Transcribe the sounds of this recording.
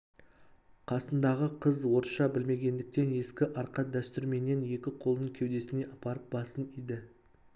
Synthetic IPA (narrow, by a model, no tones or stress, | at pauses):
qʰɑsənd̪ɑʁəqʰəzwo̞ɾʃɑbɪlme̞ɡʲe̞nd̪ɪk̚t̪e̞ne̞skʲɪʔɑɾqɑd̪æst̪ʏɾme̞nːe̞nje̞kʲɪqʰo̞lˠnəɴkʲʰewd̪e̞sɪne̞ʔɑpɑɾəp̚bɑsənijd̪ɪ